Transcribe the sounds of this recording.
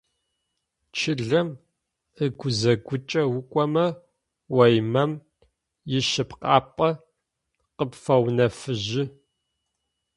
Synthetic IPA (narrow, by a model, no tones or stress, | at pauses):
t͡ʃʰɪɮɐm | əɡʷʊzɐɡʷʊt͡ʃʼɐwʊkʷʼɔmɐ | wɐjmɐm | jɪʃɨpqɑ̰ːpʼɐ | qəpfɐwnɐfɨʑɪ